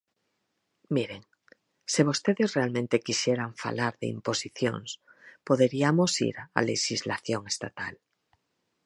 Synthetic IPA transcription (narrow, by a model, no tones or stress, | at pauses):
miɾeŋ | seβ̞ost̪eðesrealmẽnt̪ekiʃjeɾaɱfa̰laɾðḛḭmposiθjo̰ŋspoðeɾiamosḭɾaa̰leʃizlaθjoŋest̪at̪al